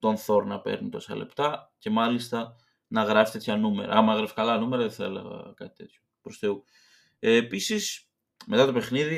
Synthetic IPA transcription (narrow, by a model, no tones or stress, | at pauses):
t̪o̞nθo̞ɾnɐpḛɾnunt̪o̞sɐ̰le̞̰pt̪ɐce̞mɐlist̪ɐ | nɐɣɾɐfi̥t̪e̞t̪çɐnume̞̰ɾɐ̰ɐmɐɐɣɾefkɐlɐnume̞ɾɐðeθɐḛlḛɣɐ̰kɐt̪i̥t̪e̞t̪ço̥pɾost̪eu | episis | me̞t̪ɐt̪o̞pe̞xniði